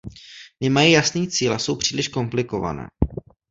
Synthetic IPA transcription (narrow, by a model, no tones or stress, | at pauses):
nɪmajijasniːt͡siːlaso̞wpr̥iːlɪʃko̞mplɪko̞va̰nɛ̰ː